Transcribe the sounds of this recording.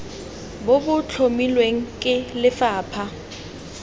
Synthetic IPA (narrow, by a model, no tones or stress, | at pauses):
bobʊt͡ɬʰomilweŋ̩kʼɪlɪfaːpʰa